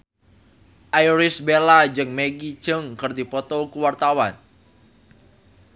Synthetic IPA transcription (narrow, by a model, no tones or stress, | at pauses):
ʔajɾisbelad͡ʒɨŋmeɡi̥d͡ʒ̥əŋkərd̪ipɔt̪ɔkuwart̪awan